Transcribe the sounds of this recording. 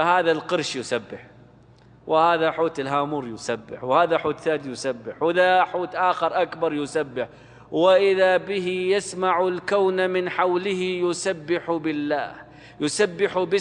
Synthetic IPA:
haːðalqɨɾʃjʊsabːɪħ | wʔɪhaːðaħuːt̪ɪlɦaːmuːɾjʊsabːɪ̰ħwhaːðaħuːt̪θaːd̪ijʊsabːɪħwɪðaħuːt̪ʔaːxɑɾˤʔakbɑɾˤjʊsabːɪħ | wɪʔɪðabɪɦijasmaʕʊlkawnamɪnħawlɪhɪjʊsabːɪħubɪlːa̰ːh | jʊsabːɪħubɪ

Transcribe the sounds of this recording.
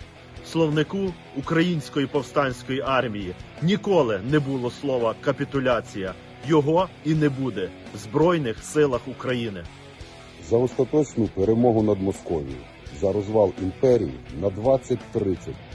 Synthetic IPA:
slˠɔwnɪkuː | kɾɐjinʲsʲkɔjipɔwst̪ɑnʲsʲkɔjiʔɑrmʲijinʲikɔlˠɪnɛbulˠɔslˠɔʋɐkɐpʲit̪ʊlʲat͡sʲijɐ | jɔɦɔinɛbud̪ɛ | wzbɾɔjnɪxsɪlˠɐxukɾɐjinɪ | zɐɔst̪ɐt̪ɔt͡ʃnʊpeɾemɔɦʊnɐd̪mɔskɔʋʲḭjḭ | zɐɾɔzʋɑlˠimpɛɾʲḭjḭnɐd̪ʋɑt͡sʲːɐtʲt̪ɾɪt͡sʲːɐtʲ

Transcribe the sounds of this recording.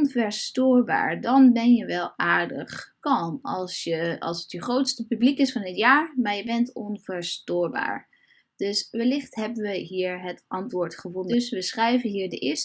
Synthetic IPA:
nvɛɹstoːɹba̰ːɹdɑnbɛnjəʋɛlˠaːɹdə̰χkɑɑlˠsjəɑ̰lˠsətjəχrowtstəpyblikɪsfɑnɦətjaːɹmaːɹjəbɛntɔnvəɹstoːɹba̰ːɹ | d̥ɵsʋɛlɪχtɦɛbənʋəɦiːɹɦətʔɑntʋʊːɹtχəvɔndəsʋəsχrɛjvənɦiːɹdəʔɪst

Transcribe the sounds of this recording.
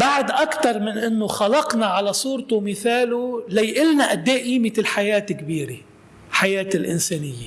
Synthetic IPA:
baʕd̪ʔakt̪ɑɾˤmɪnʔɪnːʊxɑlɑqnɑʕalasˤuːɾt̪ʊmɪθaːlʊlajʔɪlnaʔad̪ːaːʔiːmɪɪlħajaːt̪ɪkbiːɾe | ħajeːt̪ɪlʔɪnseːnɪjːe

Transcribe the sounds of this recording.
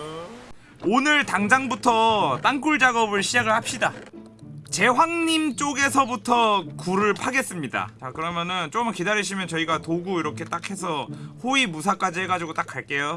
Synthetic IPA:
onɯɭtaŋd͡ʑaŋbutʰʌt͈aŋk͈uɭd͡ʑaɡʌbɯɭɕʰid͡ʑaɡɯɭhap̚ɕ͈ida | t͡ɕe̞ɸwaŋɲimt͡ɕ͈oɡe̞sʰʌbutʰʌkuɾɯɭpʰaɡe̞s͈ɯmɲida̰t͡ɕakɯɾʌmjʌnɯnt͡ɕomkidaɾiɕʰimjʌnt͡ɕʌiɡatoɡuiɾʌkʰe̞t͈akʰe̞sʰʌhoimusʰak͈ad͡ʑihe̞ɡad͡ʑiɡot͈ak͈ʰːaɭk͈e̞jo

